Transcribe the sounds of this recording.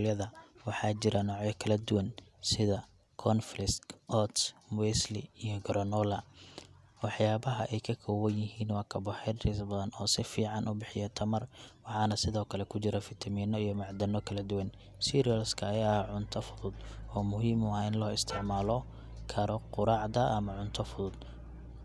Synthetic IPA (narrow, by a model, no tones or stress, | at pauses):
ljɐðɐwɑħɑːt͡ʃɪɾɐnɔːʕɛkʰɐlɐd̪ʊwɐnsɪðɐ | kʰɔnflɪskʔɔt̪smwɛslḭijɔɡɾɔnɔlɐ | wɑħjaːbɐɦɐʔɛjkʰɐkʰɔwɐnjɪɦiːnwɑːkʰɐbɔħɛd̪ɾɪsbɐðɐnɔːsɪfiːʕɑnʔʊbɪħɪjɐt̪ʰɐmɐrwɑħɑːnɐsɪðɔːkʰɐlɛkʰʊt͡ʃɪɾɐfɪt̪ʰɐmiːnɔijɔmɑʕd̪ɐnɔkʰɐlɐd̪ʊwɐn | siːɾijɐlskʰɐːjaːʕʊnt̪ʰɐfʊðʊd̪ɔːmʊɦiːmwaːɪnlɔːɪst̪ʰɪʕmaːlɔ | kʰɐɾɔqʊɾɑʕd̪ɐʔɐmɐʕʊnt̪ʰɐfʊðʊd̪